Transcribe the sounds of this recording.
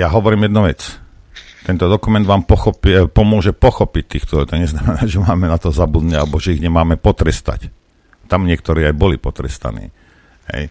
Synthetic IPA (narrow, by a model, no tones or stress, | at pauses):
jaɦɔʋɔɾiːmjɛd̪nuʋɛt͡s | t̪ɛnt̪ɔd̪ɔkumɛnd̪ʋaːmpɔxɔppɔmʊɔʒɛpɔxɔpic̚t̪iːxt̪ɔlɛt̪ɔɲɛznamɛnaːʒɛmaːmɛnat̪ɔzabud̪ɲɛalɛbɔʒɛiɣɲɛmaːmɛpɔt̪ɾɛst̪a̰c | t̪amɲɪɛk̚t̪ɔɾiːajbɔlipɔt̪ɾɛ̰st̪a̰nḭː | ɦɛ̰j